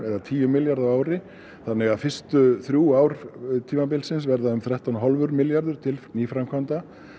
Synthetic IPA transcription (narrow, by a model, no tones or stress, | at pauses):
ɛðat̪ʰiːjʏmːɪljaɾðawaːwɾɪ | θanːɪɣaðfɪr̥st̪ʏθɾjuaːwɾ̥t̪ʰiːmapɪlsɪns̬vɛɾðaʏmθɾaht̪awnɦɔlvʏɾmɪljaɾðʏɾ̥t̪ʰɪlniːfɾamkʰvant̪a